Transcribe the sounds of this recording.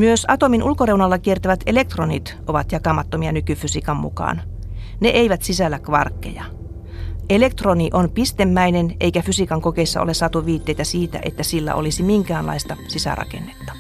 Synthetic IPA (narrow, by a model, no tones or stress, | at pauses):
myøsɑt̪ominʔulkoreunɑlːɑkiert̪æʋæt̪elek̚t̪ronit̪ʔoʋɑt̪jɑkɑmɑt̪ːomiɑnykyfysikɑmːṵkɑ̰ːn | neʔeiʋæt̪sisælːækʋɑ̰rkːḛjɑ | elek̚t̪roniʔonpist̪emːæineneijkæfysikɑŋkokeisːɑ̰olesɑt̪uʋiːt̪ːeijt̪æsiːt̪æ̰ʔḛt̪ːæsilːæ̰ʔo̰lisimiŋkæːnlɑ̰ist̪ɑsisæ̰rɑ̰kḛnːet̪ːɑ̥